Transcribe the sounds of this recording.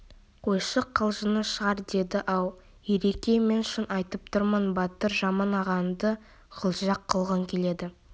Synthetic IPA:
qʰo̞jʃəqʰːəlˠʒənəʃəʁɑɾd̪e̞d̪ɪʔɑw̪ˠ | je̞ɾekʲe̞me̞nʃənʔɑjt̪əp̚t̪ʰʊɾmənbɑt̪əɾʒɑmɑnɑʁɑnd̪ə | ʁ̥ʰəlˠʒɑqʰːəlˠʁəŋkʲʰe̞le̞d̪ɪ

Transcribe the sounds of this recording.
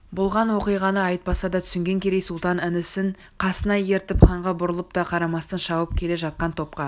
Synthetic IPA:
bʊlˠʁɑnwo̞qijʁɑnəɑjt̪̚pɑsɑd̪ɑt̪ʰʏ̥sɪŋɡʲe̞ŋkʲʰe̞ɾejsulˠt̪ɑnɪnɪsɪɴ | qʰɑsənɑje̞ɾt̪ɪpχɑɴʁɑbʊɾəlˠəp̚t̪ɑqʰɑɾɑmɑst̪ɑnʃɑwəp̚kʲʰe̞le̞ʒɑt̪̚qɑnt̪ʰo̞p̚qɑ

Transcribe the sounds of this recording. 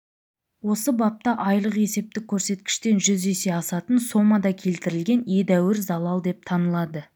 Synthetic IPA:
wo̞səbɑp̚t̪ɑʔɑjlˠəqe̞se̞p̚t̪ɪkʲʰːɵɾse̞t̪kʲɪ̥ʃt̪e̞nʒʏzese̞ɑsɑt̪ənso̞mɑd̪ɑkʲʰe̞lt̪ɪɾɪlɡʲe̞njed̪æwɪɾzɑlˠɑlˠd̪e̞p̚t̪ʰɑnəlˠɑd̪ə

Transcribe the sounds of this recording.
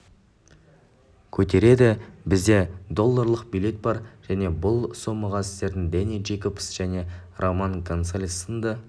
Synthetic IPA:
kʲʰɵt̪e̞ɾe̞d̪ɪbɪzd̪e̞d̪o̞lˠːaɾlˠəq̚bijlʲe̞t̪̚bɑɾʒ̥æne̞bʊlˠso̞məʁɑsɪ̥st̪e̞ɾd̪ɪŋd̪enij̪ʒejkopsʒ̥æne̞rʔomankʰont̪salʲisənd̪ə

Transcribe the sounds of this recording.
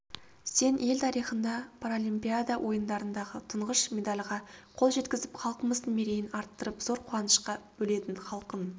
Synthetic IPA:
se̞ne̞lt̪ʰɑɾijχənd̪ɑpʰaɾolʲimpijad̪awʔo̞jənd̪ɑɾənd̪ɑʁət̪ʰəɴʁəʃmʲe̞d̪alʲʁɑqʰo̞lˠʒe̞t̪kʲɪzɪpχʰɑlˠqəməzd̪əɴme̞ɾe̞jɪnɑɾt̪ːəɾəpz̥o̞ɾqʰʊɑnəʃqɑbɵle̞t̪ɪɴχɑlˠqən

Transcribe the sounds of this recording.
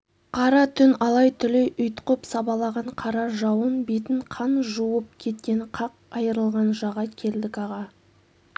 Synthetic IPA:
qʰɑɾɑt̪ʰʏnɑlˠɑjt̪ʰʏleʔʏjt̪qəpsɑbɑlˠɑʁɑɴqʰɑɾɑʒɑwənbet̪ɪɴqʰɑnʒuwəp̚kʲʰe̞t̪̚kʲe̞ɴqʰɑq̚ɑjəɾəlˠʁɑnʒɑʁɑkʲʰe̞ld̪ɪkɑʁɑ

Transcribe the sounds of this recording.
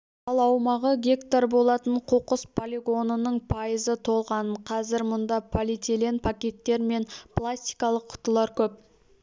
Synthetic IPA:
ɑlˠɑwmɑʁəɡʲe̞kt̪aɾbo̞lˠɑt̪əɴqʰuqəspʰolʲiɡo̞nənəɴpʰajəzət̪ʰo̞lˠʁɑnəɴqʰɑzɪɾmʊnd̪ɑpʰolʲit̪elenpʰakʲe̞t̪ːe̞ɾme̞nplˠasʲt̪ʲi̥jkɑlˠəqʰːʊ̥t̪əlˠɑɾkʲʰɵp̚

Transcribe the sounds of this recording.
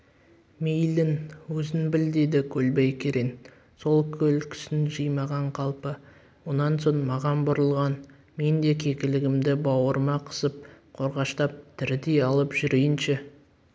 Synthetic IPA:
mejlɪnwɵzɪnbɪld̪e̞d̪ɪkʲʰɵlbejkʲʰeɾen | so̞lˠkʲʰɵlkʲʰɪ̥sɪnʒɨjmɑʁɑɴqʰɑlˠpə | wo̞nɑnso̞ɴmɑʁɑnbʊɾəlˠʁɑn | me̞nd̪e̞kʲʰe̞kʲɪlɪɡʲɪmd̪ɪbɑwəɾəmɑqʰə̥səp̚qʰo̞ɾʁɑʃt̪ɑp̚t̪ʰɪɾd̪ejɑlˠəpʒ̥ʏɾejɪnʃɪ

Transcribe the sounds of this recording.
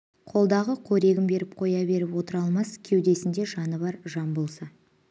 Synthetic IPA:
qʰo̞lˠd̪ɑʁəqʰɵɾe̞ɡʲɪmbe̞ɾɪp̚qʰo̞jɑbe̞ɾɪpwo̞t̪əɾɑlˠmɑskʲʰe̞wd̪e̞sɪnd̪e̞ʒɑnəbɑɾʒɑnbolˠsɑ

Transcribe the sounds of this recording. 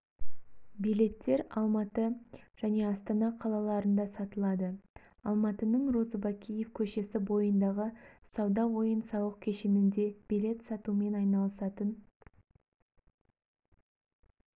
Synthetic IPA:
bijlʲe̞t̪ːe̞ɾɑlˠmɑt̪əʒ̥æne̞ɑst̪ɑnɑqʰɑlˠɑlˠɑɾənd̪ɑsɑt̪əlˠɑd̪ə | ɑlˠmɑt̪ənəɴro̞zəbakʲijefkʲʰɵʃe̞sɪbo̞jənd̪ɑʁəsɑwd̪ɑwo̞jənsɑwəq̚kʲʰeʃenɪnd̪e̞b̥ijle̞t̪sɑt̪ume̞nɑjnɑlˠəsɑt̪ən

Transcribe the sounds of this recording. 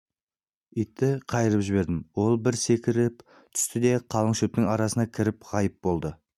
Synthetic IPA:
ʏjt̪ːɪqʰɑjəɾəpʒɪβe̞ɾd̪ɪmwo̞lˠbɪɾse̞kʲɪɾɪp | t̪ʰʏ̥st̪ɪd̪e̞qʰɑlˠəɴʃep̚t̪ɪŋɑɾɑsənɑkʲʰɪɾɪpʁɑjəp̚bo̞lˠd̪ə

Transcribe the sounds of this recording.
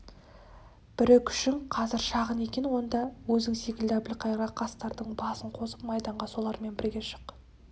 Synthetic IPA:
b̥ɪɾɪkʰʏ̥ʃɪŋqʰɑzɪɾʃɑʁəne̞kʲe̞nwo̞nd̪ɑwɵzd̪ɪŋse̞kʲɪld̪ɪæbɪlqʰɑjɾʁɑqʰɑst̪ɑɾd̪əɴbɑsəɴqʰo̞səp̚mɑjd̪ɑɴʁɑso̞lˠɑɾme̞nbɪɾɡʲe̞ʃə̥q

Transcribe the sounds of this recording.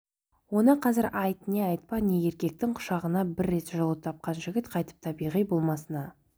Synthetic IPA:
wo̞nəqʰɑzɪɾʔɑjt̪əneɑjt̪̚pɑneje̞ɾkʲe̞k̚t̪ɪŋqʰʊ̥ʃɑʁənɑbɪɾːe̞t̪ʒolˠət̪ʰɑp̚qɑnʒɪɡʲɪt̪qʰɑjt̪ə̥p̚t̪ʰɑbijʁijbo̞lˠmɑsənɑ

